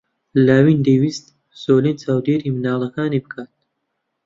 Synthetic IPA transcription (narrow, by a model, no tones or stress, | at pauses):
laːwiːnd̪ewist̪̚ | soːleːnt͡ʃaːwd̪eːɾimnaːlˠɐkaːnibɨkʰaːt̪̚